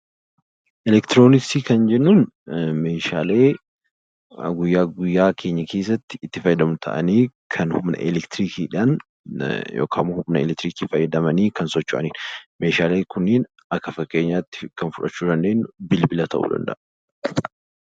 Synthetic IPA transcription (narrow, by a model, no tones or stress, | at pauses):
ʔɛlɛkt̪ɪɾoːnɪksiːkɐnd͡ʒɛnːuːn | me̞ːʃaːle̞ː | ɡʊjːaːɡʊjːaːkʰe̞ːɲːɐkʰeːs̬ːɐt̪ːɪ̥ːt̪ːɪfɐjːɐd̪ɐmʊt̪ʰɐ̰ʔɐ̰niːkʰɐnhʊmnɐ̰ʔɛlɛkt̪ɪɾiːkʰiːᶑan | jo̰ːkʰa̰ːmʊhʊmnɐɛlɛk̚t̪ɾiːkiːfɐjːɐd̪ɐmɐniːkɐnsɔt͡ʃːʊʔɐ̰niːnme̞ːʃaːleːkʰʊnːeːn | ɐkːɐfɐkʼːe̞ːɲːaːt̪ːɪ̥kɐnfʊᶑɐt͡ʃːuːd̪ɐnd̪e̞ːnːʊbɪlbɪlɐt̪ʰɐ̰ʔṵːd̪ɐ̰nd̪ɐ̰ʔɐ